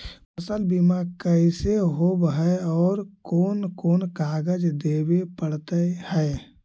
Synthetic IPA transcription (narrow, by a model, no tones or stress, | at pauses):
pəsəlbimakəɪseɦobɦəeɔːɾkoːnkoːnkaːɡəd͡ʒd̪ebepəɽt̪əhɛe